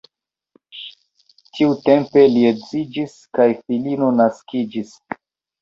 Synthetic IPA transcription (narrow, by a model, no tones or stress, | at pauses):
tiute̞mpe̞liet͡sid͡ʒiskajfilino̞naskid͡ʒis